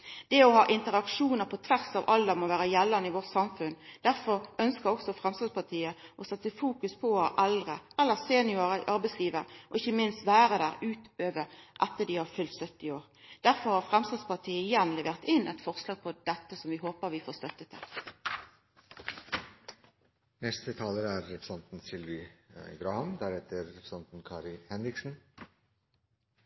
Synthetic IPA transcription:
d̪̥ɛːɔhɑːʔɪnt̪əʁɑkʂuːnəʁpʰɔt̪ʰʋæʁsɑːʋʔɑld̪ɛmɔʋæːʁəjɛlːɑnəɪʋɔt̪sɑmfʉnd̪̥æʁfɔʁœnskəʁɔksɔfɾɛmst̪ɑspɑʁt̪ʰiːəʔɔsɛt̪ːəfuːkʉspʰɔʔɛld̪ʁəɛlːəʁseːnɪɔʁəʔɑɾbɛɪsliːʋəʁɔɪçːəmɪnst̪ʋæːɾəd̪æːʁʉːt̪øːʋəʁʔɛt̪ːəd̪ɪhɑːʁfʉlt̪sœt̪ːɪoːʁ | d̪̥æʁfɔʁhɑʁfʁɛmst̪ɑːspɑt̪ʰiːəɪjɛnlɛʋeːʁt̪ɪnɛt̪fɔʁslɑːɡ̚pʰɔd̪̥ɛt̪ːəsɔmʋɪɦoːpəɾʋɪfoːʁst̪œt̪ːət̪ʰɪ̰l | nɛst̪ət̪ʰɑːləɾæɾːɛpɾəsɑnt̪n̩sɪlʋɪɡɾɑːhɑmd̪æɾɛt̪əɾːɛpɾəsɑnt̪n̩kʰɑːɾɪhɛnɾɪksn̩

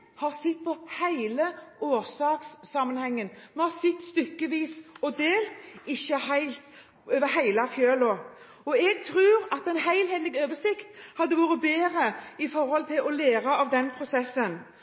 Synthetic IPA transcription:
hɑɾsɪt̪ːpʰɔhæɪləoːɾsɑːksːɑmːənhɛŋːənmɛnhɑɾsɪt̪ːst̪ʏkːəʋiːsɔd̪eːlt̪ɪçːəhæɪlt̪ | øːʋəɾhæɪlɑfjøːlɔ | ɔɛɡ̚t̪ʰɾʉːɾɑt̪ɛɪnɦæɪlheːd̪lɪɡøːʋəʂɪkt̪hɑd̪ːəʋuːɾət̪beːɾəɪfɔɾhɔlt̪ʰɪlɔleːɾɑɑʋd̪ɛnpʰɾʊsɛsːən

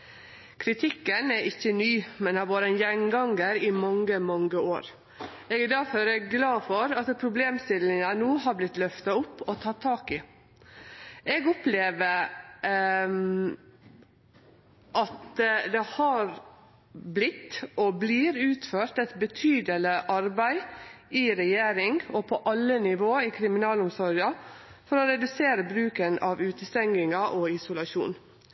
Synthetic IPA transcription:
kʰɾɪt̪ʰɪkːənæɪçːənyːmɛnɑʋoːɾənjɛnɡɑŋɡəɾɪmɑŋːəmɑŋɡəoːɾ | ɛɡd̪æɾfɔɾɛɡɡlɑːfɔɾɑt̪pʰɾʊbleːmst̪ɪlɪŋɑnuːhɑɾblɪt̪lœft̪ɑʊpːɔt̪ʰɑːt̪ʰɑːkɪ | ɛɡɔpleːʋəɾ | ʔɑt̪d̪ɛhɑɾ | blɪt̪ːʔɔbliːɾʉːt̪føːɾʈ̪ɛt̪bət̪ʰyːd̪ələʔɑɾbæɪɪɾɛjeːɾɪŋɔpʰɔʔɑlːənɪʋoːɪkʰɾɪmɪnɑːlʊmsɔɾɑfɔɾɔɾɛd̪ʉseːɾəbɾʉːkənɑʋʉːt̪əst̪ɛŋɡɪŋɑʔɔɪsʊlɑʃṵːn

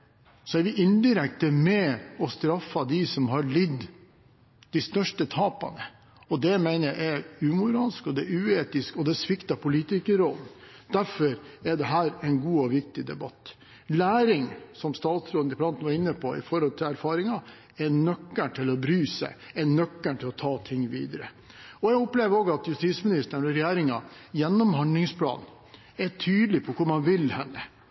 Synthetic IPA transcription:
sɔæɾʋɪʔɪnd̪ɪɾɛkt̪əmɛɔst̪ɾɑfːɑd̪ɪsɔmɦɑɭɪd̪ | d̪̥æst̪œʂʈət̪ʰɑːpɑ̰nə | ɔd̪ɛmæɪnəæɪæʉːmʊɾɑːlskɔd̪ɛʉːeːt̪ɪskɔd̪ɛsʋɪkt̪ɑpʰʊliːt̪ɪkəɾɔlnd̪̥æɾfɔɾɛɖɛɦæːɾɛɪnɡuːɔʋɪk̚t̪ɪd̪ɛbɑt̪ː | læːɾɪŋsɔmst̪ɑːt̪sɾoːd̪nɪpʰlɑnt̪n̩ʋɑɾɪnːəpʰɔɪ̰fɔɾhɔlt̪ʰɪlæɾfɑːɾɪŋɑ | ɛnœkːəɳʈʰɪlɔbɾyːsæ̰ɪɛnœkːəɳʈɪlɔt̪ʰɑːt̪ʰɪŋːʋḭːd̪əɾə | ɔjæɡɔpleːʋəɾoːɡɑt̪jʉst̪iːsmɪnɪst̪əɳɔɾɛjeːɾɪŋɑjɛnːɔmhɑnd̪lɪŋspʰlɑ̰ːn | ɛʈʰyːd̪lɪpʰɔkʰʊɾmɑnʋɪlhɛnːə

